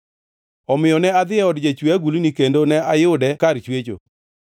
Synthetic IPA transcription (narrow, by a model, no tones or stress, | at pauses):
ɔmɪjɔnɛad̪ɪɛɔdd͡ʒet͡ʃwaɡulinikendonɛajʊdɛkaɾt͡ʃwet͡ʃo̰